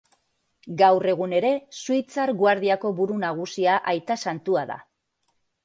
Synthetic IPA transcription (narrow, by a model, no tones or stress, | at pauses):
ɡawre̞ɣ̞une̞ɾe̞suijt͡saɾɣwaɾð̞iako̞βuɾunaɣ̞usiaʔajt̪asant̪uaða̰